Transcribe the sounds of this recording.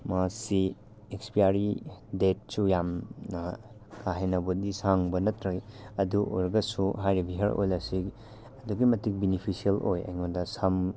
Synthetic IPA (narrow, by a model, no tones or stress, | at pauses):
masi | ekspijaɾidet̚sujamnɐ | kʰaɦenɐbudisaŋbɐnɐtɾajɐduo̰jɾɡɐsuɦajɾibiɦeɾo̰jlɐsik | ɐduɡimɐtik̚binipʰisielojɐ̰jŋodɐsam